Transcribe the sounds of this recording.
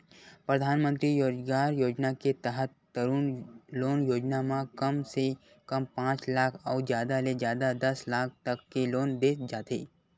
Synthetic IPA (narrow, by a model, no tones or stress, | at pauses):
pɾəd̪ʱaːnmə̃nt̪ɾijoːd͡ʒɡaɾjoːd͡ʒnaket̪əɦət̪ːəɾuːnloːnjoːd͡ʒnamãkəmse | kəmpãːt͡ʃlaːkʰaud͡ʒjaːd̪aled͡ʒjaːd̪ad̪əslaːk̚ʰt̪əkːeloːnd̪eːsd͡ʒaːt̪e